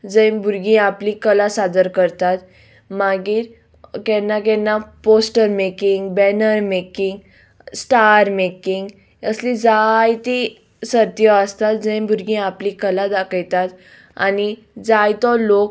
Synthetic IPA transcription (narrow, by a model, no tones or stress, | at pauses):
d͡zə̃j̃bʱuɾɡĩaplikəlasad̪əɾkəɾt̪at̪ | maɡiːɾ | kɛnːak̬ɛnːaposʈəɾmekiŋɡbɛnəɾmekiŋɡ | sʈaɾmekiŋɡ | əslid͡zajt̪i | səɾt̪jɔəst̪at̪̚d͡zə̃j̃buɾɡĩaplikəlad̪akəjt̪at̪ | a̰ni | d͡zajt̪ɔlok